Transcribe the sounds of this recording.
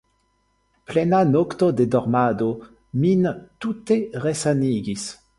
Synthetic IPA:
plenanokt̪od̪ed̪ɔʁmad̪o | mint̪ut̪eʁesaniɡis

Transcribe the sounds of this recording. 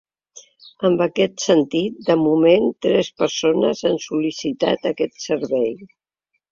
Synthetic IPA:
əmbəkɛt̪sənt̪it̪̚d̪əmument̪ɾɛspəɾsonəzansulisit̪a̰t̪əkɛt̪səɾβɛj

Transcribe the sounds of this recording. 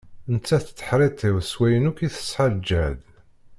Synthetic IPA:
ənt͡sːæθt͡sːə̥ħɾˤet̪ːɪwswæjənukiθə̥sħald͡ʒæd̪

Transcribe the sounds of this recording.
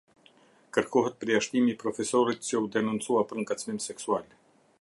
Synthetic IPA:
kəɾkɔɦət̪̚pɾɛjaʃt̪imipɾɔfɛsɔɾit̪sɛud̪ɛnunt̪t͡suapəɾŋkat͡smimsɛksual

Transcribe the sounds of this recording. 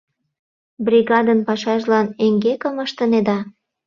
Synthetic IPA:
brʲiɣɑd̪ənpɑʃɑʒlɑneŋɡekə̆məʃt̪ə̆ned̪ɑ

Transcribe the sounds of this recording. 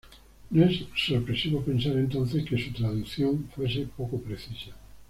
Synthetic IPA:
nesːopɾesiβopensaɾent̪onθeskesut̪ɾaðukθjoŋfwesepokopɾeθisa

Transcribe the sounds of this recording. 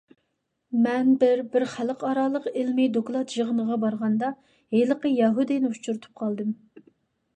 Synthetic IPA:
mɛnbɪɾbɪɾχæləqɑɾɑːlˠəqɪlmid̪oklˠɑt̪ʒəʁənəʁɑbɑɾʁɑnd̪ɑ | heləqəjɑɦud̪inɪut͡ʃʰuɾt̪ʰu̥p̚qʰɑlˠd̪ɨm

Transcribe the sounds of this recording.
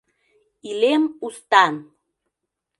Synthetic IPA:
ilemust̪ɑn

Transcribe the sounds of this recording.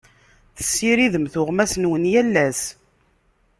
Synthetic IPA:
θə̥sːiɾiðəmθʊʁmæsnwənjælːæs

